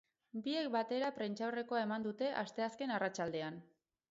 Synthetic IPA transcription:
bie̞k̚bat̪e̞ɾapɾent͡ʃawre̞ko̞ae̞mand̪ut̪e̞ʔast̪e̞aske̞narat͡ʃald̪e̞an

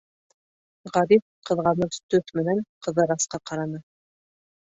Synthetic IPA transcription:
ʁɑɾif̚ | qɤ̆ðʁɑnɤðt̪ɵθmɘ̆næɴqɤ̆ðɤɾɑsqɑqɑɾɑnɤ

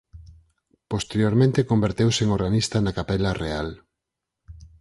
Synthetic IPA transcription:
post̪eɾjoɾmẽnt̪ekombeɾt̪ewseŋoɾɣanist̪ɐnakapɛlareal

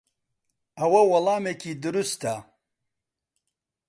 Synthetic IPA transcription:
ɐwɐwɐlˠɑːmeːkʰiːd̪ʊɾust̪a

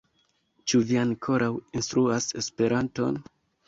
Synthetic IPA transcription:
t͡ʃuviaŋkʰo̞ɾawinstɾuase̞spe̞ɾanto̞̰n

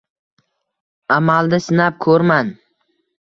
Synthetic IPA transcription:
amald̪ɪsɪnap̚kʰɵɾman

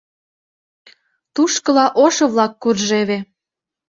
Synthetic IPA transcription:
t̪uʃkɤ̆lɑʔoʃɤ̆βlɑkːurʒeβe

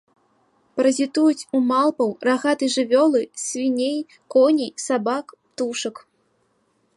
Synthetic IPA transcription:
pɾɐzʲit̪ujut͡sʲumalˠpɐwraɣat̪ɨʐɨvʲɔlˠɨsʲvʲinʲej | kɔnʲisabakpt̪uʂɨk

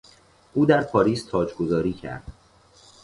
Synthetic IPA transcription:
ʔuːd̪æɾpʰɒːɾiːst̪ʰɒːd͡ʒɡozɒːɾiːcʰæ̰ɾd̪̥

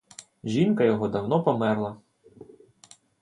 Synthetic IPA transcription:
ʒʲinkɐjɔɦɔd̪ɐwnɔpɔmɛrlˠɐ

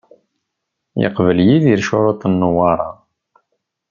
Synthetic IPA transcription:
jə̰qvəljiðiɾʃoɾˤot̪ˤənːʊwɑɾˤɑ

